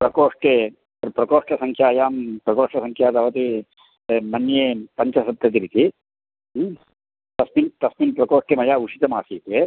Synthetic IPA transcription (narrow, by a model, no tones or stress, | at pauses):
pɾɐkoːʂʈe | ɾpɾɐkoːʂʈɐsɐŋkʰjaːjaːmpɾɐkoːʂʈɐsɐŋkʰjaːt̪ɐʋɐt̪i | mɐnjeːpɐɲt͡ʃɐsɐt̪ːɐt̪̬iɾit̪i | t̪ɐsmint̪ɐsminpɾɐkoːʂʈemɐjaːuʂit̪ɐmaːsiːt̪eː